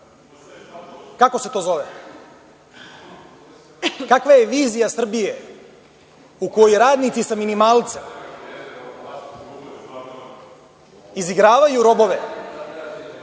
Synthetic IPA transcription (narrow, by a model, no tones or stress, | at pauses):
kako̞set̪o̞ːzo̞ʋe | kakʋajeʋiːzijasr̩bije | ukojojɾaːd̪nit̪sisaminimaːlˠt̪sem | iziɡɾaːʋajuɾo̞bo̞ʋe